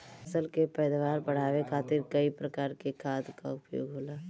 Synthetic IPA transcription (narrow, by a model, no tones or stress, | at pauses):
əsəlkepɛːd̪ʋaːɾpəɽ̤aːʋekʰaːt̪ɪɾkəipɾəkaːɾkekʰaːd̪kaʊpjo̰ːɡɦoːlaː